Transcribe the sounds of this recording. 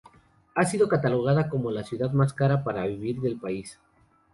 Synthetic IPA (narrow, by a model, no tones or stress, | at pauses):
asiðo̞kat̪alo̞ɣ̞aðako̞mo̞lasjuðaðmaskaɾapaɾaβiβiɾðe̞lpais